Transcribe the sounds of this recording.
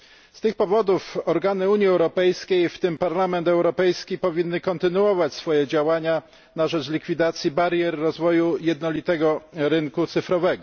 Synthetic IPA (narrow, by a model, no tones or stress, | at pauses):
st̪ɘxpɔvɔd̪ufɔɾɡanɘuɲjiɛwɾɔpɛjskʲejft̪ɘmpaɾlamɛnt̪ɛwɾɔpɛjskʲipɔvʲinːɘkɔnt̪ɘnuɔvat͡ɕsfɔjɛd͡ʑawaɲa | naʐɛt͡ʂlʲikfʲid̪at̪sʲjibaɾjɛɾːɔzvɔjujɛd̪̚nɔlʲit̪ɛɡɔɾɘŋkut̪sɘfɾɔvɛɡɔ